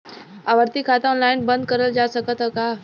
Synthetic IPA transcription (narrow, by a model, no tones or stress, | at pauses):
aʋəɾt̪ikʰat̪aɔnlainbənd̪̚kəɾəld͡zasəkət̪ɦəka